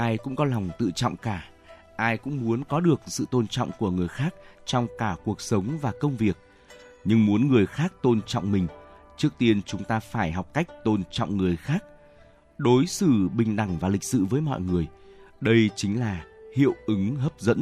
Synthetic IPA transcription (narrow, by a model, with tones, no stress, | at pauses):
ʔaː˧jkʊ̰˧˥ŋ͡mkɔ˨˦la˨˩wŋ͡mt̪ɨ̰˧˨t͡ɕɔ̰˧˨wŋ͡mkaː˧˩ | ʔaː˧jkʊ̰˧˥ŋ͡mmu˨˦ənkɔ˨˦ɗɨ˨˩ək̚sɨ̰˧˨t̪o˧nt͡ɕɔ̰˧˨wŋ͡mku˧˩əŋɨ˨˩əjxaː˦˥k̚t͡ɕɔ˧wŋ͡mkaː˧˩ku˨˩ək̚sə˨˦wŋ͡mvaː˨˩kə˧wŋ͡mvi˨˩ək̚ | ɲɨ˧ŋmu˨˦ənŋɨ˨˩əjxaː˦˥k̚t̪o˧nt͡ɕɔ̰˧˨wŋ͡mmï˨˩ŋ̟ | t͡ɕɨ˦˥ək̚t̪i˧ənt͡ɕʊ˨˦ŋ͡mt̪aː˧faː˧˩jɦa˨˩wk͡p̚ka˦˥jk̟̚t̪o˧nt͡ɕɔ̰˧˨wŋ͡mŋɨ˨˩əjxaː˦˥k̚ | ɗo˨˦jsɨ˧˩ɓï˨˩ŋ̟ɗa˧˩ŋvaː˨˩li˨˩k̟̚sɨ̰˧˨vəː˨˦jmɔ̰˧˨jŋɨ˨˩əj | ɗə˧jt͡ɕï˨˦ŋ̟laː˨˩hḭ˧˨əwʔɨ˨˦ŋɦəː˦˥p̚zə̰˧˥n